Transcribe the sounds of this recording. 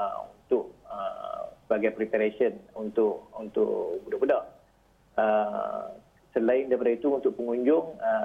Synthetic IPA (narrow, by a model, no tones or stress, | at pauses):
ṵnt̪ʊʔəsəbaɡajpɾipaɾasiənunt̪ʊʔunt̪ʊ̰ʔbudabudah | ə | səlaɪndajpadait̪uunt̪ʊʔpəŋuɲd͡ʒʊŋə